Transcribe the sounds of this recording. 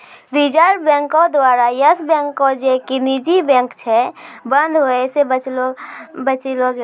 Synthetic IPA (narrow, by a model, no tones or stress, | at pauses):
bid͡ʒaɾbɛ̃ŋkod̪waːɾajəsbɛ̃ŋkːod͡ʒekinid͡ʒibɛ̃ːŋkt͡ʃʰɛbə̃nd̪ʱɦoɛsebət͡ʃlobət͡ʃilo